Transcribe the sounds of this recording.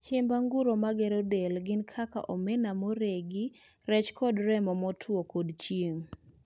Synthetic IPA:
t͡ʃɪmbaŋɡuɾomaɡɛɾɔdelɡɪnkʰaka̰ʔɔmɛnamoɾeɡɪ | ɾɛt͡ʃkɔdɾɛmɔmɔtʰwokodt͡ʃjem

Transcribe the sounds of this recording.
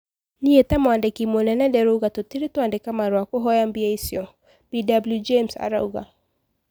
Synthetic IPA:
niɛtamɔandɛkimɔnɛnadɛɾuɣatɔtiɾitɔandɛkamaɾwakɔɦɔjambiajsiɔ | bidabljud͡ʒemsa̰ɾa̰uɣa̰

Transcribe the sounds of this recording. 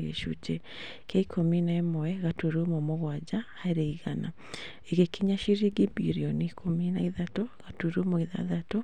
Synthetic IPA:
ɣḛʃṵd͡ʒɛ | kaikʰominaemɔɛɣatuɾumomoɣwad͡ʑahaɾeiɣana | eɣekiɲaʃiɾiɡibḭɾiɔniikʰominaiðatoɣatuɾumoiða̰ðato

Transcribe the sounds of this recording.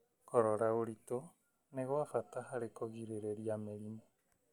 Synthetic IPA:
kɔɾoɾaoɾit̪o | neɣoafat̪aɦaɾekoɣiɾeɾeɾiameɾimo

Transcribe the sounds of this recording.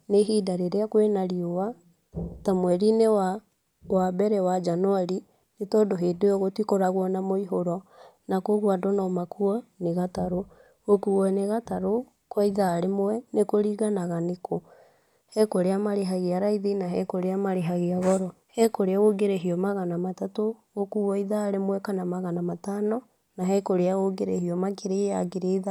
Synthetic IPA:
neɦiːdaɾeɾeakwenaɾiowa | tamwɛɾinewa | wabɛɾɛwad͡ʒanwaɾi | netɔːdoɦeːdojɔɣotwikɔɾaɣwɔnamoiɦoɾɔ | nakoɣwadɔnɔːmakuɔneɣataɾo | okuɣɔɛneɣataɾo | kwaiðaːɾemwɛnekoɾiːɣanaɣanekʰo | hɛkoɾeamaɾeɦaɣeaɾaiðinaɦɛkoɾeamaɾeɦaɣiaɣɔɾɔ | hɛkoɾeaɣoɡeɾeɦiɔmaɣanamatatoɣokuɣɔiðaːɾemwɛkanamaɣanamatanɔ | naɦɛkoɾeaɣoɡeɾehiɔmakeɾeaɡeɾeða

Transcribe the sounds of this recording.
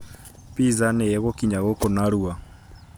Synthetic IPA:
pizanɛɛɣɔkiɲaɣɔkɔnaɾua

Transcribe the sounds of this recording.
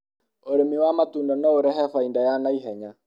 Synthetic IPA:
oɾemiwamatuːndɔnɛoɾɛɦɛfaindajanaiɦɛɲa

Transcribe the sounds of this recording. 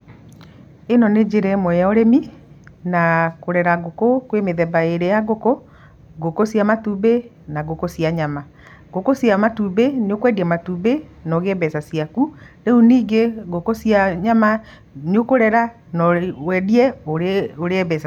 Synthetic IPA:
enɔned͡ʒeɾɛmwɛjaoɾeminakoɾɛɾaɣokokwemeðɛbaeɾejaɣoko | ɡokosjamatube | naɣokosiaɲama | ɡokosjamatubeneokwɛdiɛmatube | nɔɣebɛsasiakuɾeuniːɡeɡokosiaɲama | niokoɾɛɾa | nɔwɛdiɛooɾeɛβɛsa

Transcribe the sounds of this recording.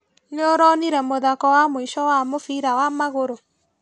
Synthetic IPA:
neoɾɔniɾɛmoðakɔwamoiʃɔwamofiɾawamaɣoɾo

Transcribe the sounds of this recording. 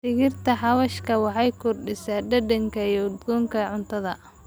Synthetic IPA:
fɪɣɪrt̪ʰɐħɑwɐʃkʰɐwɑħɑjkʰʊrɖɪsaːɖɐdɐŋkʰɐjɔʊd̪ɡɔːŋkʰɐʕʊnt̪ʰɐðɐ

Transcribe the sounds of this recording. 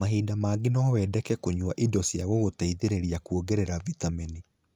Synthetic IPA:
aɦiːdamaːɡinawɛːdɛkɛkoɲwaʔidɔsjaɣɔɣotaiðeɾeɾiakuoɡɛɾɛɾavitamini

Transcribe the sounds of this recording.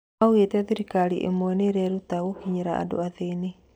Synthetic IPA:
aoɣetɛðeɾikaɾiʔḛmwɛneɾɛɾutaɣokiɲeɾaa̰do̰aðene

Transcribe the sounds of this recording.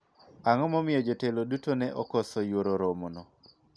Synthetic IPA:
aŋɔmɔmɪjɔd͡ʒɔtelodutonɛʔɔkɔsɔjwoɾoɾomonɔ

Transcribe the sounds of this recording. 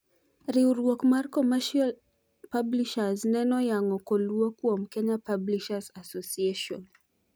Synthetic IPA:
ɾiuɾuɔkmaɾkɔmaʃal | pabliʃaznɛnɔjaŋɔkɔluɔkuam̩kɛɲapabliʃazasɔsiɛʃɔn

